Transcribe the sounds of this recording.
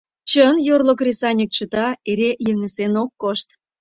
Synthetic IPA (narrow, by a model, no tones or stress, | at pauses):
t͡ɕənjorlok̬rʲesɑnʲik̚t͡ɕuət̪ɑeɾejəŋəsenokːoʃt̪